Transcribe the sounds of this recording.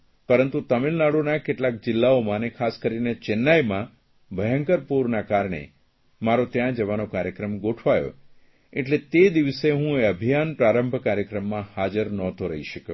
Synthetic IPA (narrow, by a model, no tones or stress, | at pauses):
pəɾənt̪ut̪əmilnaɽonakeʈlak̚d͡ʒɪlːaomãnekʰaskəɾinet͡ʃenːajmã | bʱəjəŋkəɾpuɾnakaɾɳḛ | maɾot̪jãd͡ʒəʋanokaɾjəkɾəmɡoʈʰʋajo̰ | eʈlet̪ed̪iʋəseɦũeəbʱijanpɾaɾəmbʱkaɾjəkɾəmːãhad͡ʒəɾnɔt̪ʰoɾəiʃəke